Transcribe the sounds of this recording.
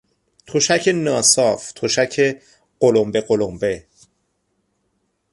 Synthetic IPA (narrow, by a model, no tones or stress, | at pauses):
t̪ʰoʃæcʰenɒːsɒːft̪ʰoʃæcʰe | ɢ̥olombe̞ɢolombe̞